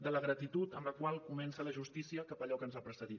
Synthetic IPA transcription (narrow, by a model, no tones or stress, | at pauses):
d̪ələɣɾət̪it̪ut̪əmləkwalˠkumɛnsələʒust̪isiəkapəʎɔkənzapɾəsəði